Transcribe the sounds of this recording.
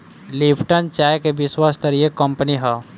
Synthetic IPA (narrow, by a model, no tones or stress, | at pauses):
lipʈənt͡ʃaːjkebɪswaːst̪əɾiekəmpəniɦaː